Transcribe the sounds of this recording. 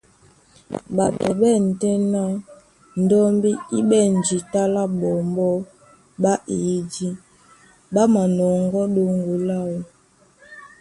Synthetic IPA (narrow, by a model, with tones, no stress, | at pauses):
ɓa˨tɔ˨ɓɛ˦˨n̩˨tɛ˦na˦ | n̩˨dɔ˦mbi˦i˦ɓɛ˦˨n˨d͡ʒi˨ta˦la˦ɓɔ˨mbɔ˦ | ɓa˦ʔi˨˦d͡ʒi˦ | ba˦ma˨nɔ˨ŋɡɔ˦ɗo˦ŋɡu˨la˦wɔ˨